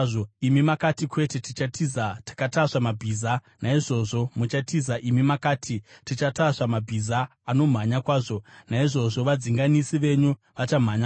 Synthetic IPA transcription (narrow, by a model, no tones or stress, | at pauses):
ʐoimimakatikwe̞tetit͡ʃatʰizatḁkataʂamabʱiːza | naiʐo̞ʐo̞mut͡ʃatizaʔimimakaːtʰitit͡ʃataʂamabʱizaː | no̞m̤aɲakwaːʐo̞naiʐo̞ʐo̞ʋad͡ziŋɡanisiʋe̞ɲu | ʋat͡ʃam̤aɲa